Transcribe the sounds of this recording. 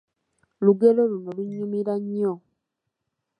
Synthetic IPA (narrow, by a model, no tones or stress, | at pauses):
luɡeloluno̞luɲːumiɾaɲːo